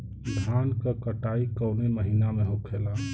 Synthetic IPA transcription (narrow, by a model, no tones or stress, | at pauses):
d̪ʱankəkəʈaikəʊneməɦinameɦokʰela